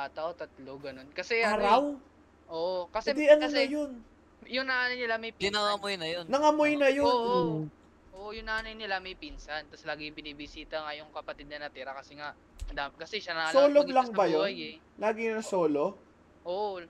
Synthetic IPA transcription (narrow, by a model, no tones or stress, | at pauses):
aːt̪ɐwt̪ɐt̪loɡɐno̞nkɐsɛɐɾaw | ʔoʔkɐsɛd̪iʔɐnnɐjon | jʊŋnanɐjnɪlamɐjp̪ɪnɐŋɐmojnɐjonnɐŋɐmojnɐjon | ʔoʔjʊŋnaːnɐjnɪlamɐjpinsɐnt̪ɐslaːɡɪpɪnibɪsiːt̪ɐŋajʊŋkɐpɐt̪ɪd̪̚nɐnɐt̪ɛɾɐkɐsɛŋaʔ | ɐd̪amkɐsɛʃanɐo̞ːloɡlɐŋbɐjo̞n | laːɡɪnɐsoːlo̞ | ʔoʔo